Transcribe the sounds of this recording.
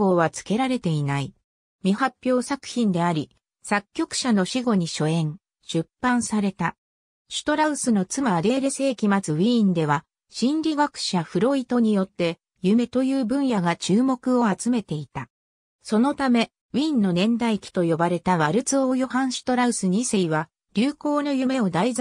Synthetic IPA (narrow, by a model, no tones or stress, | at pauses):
o̞ːβat͡sɨ̥ke̞ɾaɾe̞t̪e̞inai | mʲihapʲjo̞ːsakɯ̟̥çĩnd̪e̞aɾʲi | sakʲːo̞kɯ̟̥ɕano̞ɕiɡo̞ɲ̟iɕo̞ẽ̞ŋ | ɕɨpːãɰ̃saɾe̞t̪a | ɕi̥t̪o̞ɾaɯ̟sɨno̞t͡sɨmaːd̪e̞ːɾe̞se̞ːkʲimat͡sɨwĩːnd̪e̞βa | ɕĩnɾʲiɡakɯ̟̥ɕaɸɯ̟ɾo̞it̪o̞ɲ̟ijo̞t̪ːe̞ | jɯ̟me̞t̪o̞jɯ̟ːbɯ̟̃ɰ̃jaɡat͡ɕɨːmo̞kɯ̟o̞at͡sɨme̞t̪e̞it̪a | so̞no̞t̪ame̞ | wĩːnːo̞nẽ̞nd̪aikʲi̥t̪o̞jo̞baɾe̞t̪aβaɾɯ̟t͡sɨoːjo̞hãɰ̃ɕi̥t̪o̞ɾaɯ̟sɨɲ̟iseiβa | ɾʲɨːko̞ːno̞jɯ̟me̞o̞d̪aiz